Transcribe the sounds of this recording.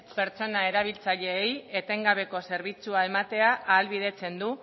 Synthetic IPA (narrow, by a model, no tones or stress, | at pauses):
pe̞ɾt͡so̞nae̞ɾaβ̞ilt͡saʎe̞ːjet̪e̞ŋɡaβe̞ko̞se̞ɾβ̞it͡suae̞mat̪e̞aʔʔːlβiðe̞t͡se̞nd̪u